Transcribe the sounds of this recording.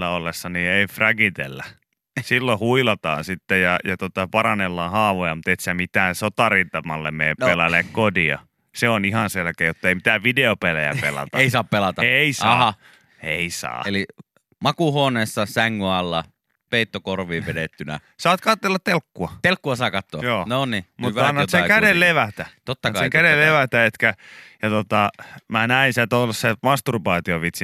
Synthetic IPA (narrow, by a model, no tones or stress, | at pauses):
lːæolːesːɑniːeifræɡit̪ḛlːæ | silːohuilɑt̪ɑ̰ːnsit̪ːejɑjɑt̪ot̪ɑpɑrɑnelːɑːhɑːʋojɑmut̪et̪sæmit̪æːnsot̪ɑrint̪ɑmɑlːemmeːppelɑlekkodiɑ̰ | seonihɑnselkeːjjot̪ːɑeimi̥t̪æːʋʋideopelæjæ̰pḛlɑ̰t̪ɑeisɑːppelɑt̪ɑeisɑːɑ | eisɑ̰ːeli | mɑkuhoːneːsːɑsæŋːyɑlːɑ̰ | peit̪ːokorʋiːʋedet̪ːynæ̰sɑːt̪kɑt̪ːelːɑt̪t̪elkːuɑt̪elkːuɑsɑːkɑt̪ːoɑjoːnonnimut̪ʋɑnːɑt̪sekædelleʋæt̪æt̪ot̪ːɑkkɑseŋkædelleʋæt̪æet̪kæjɑt̪ot̪ɑmænæinsæt̪olssemɑst̪urpɑːt̪ioʋit̪si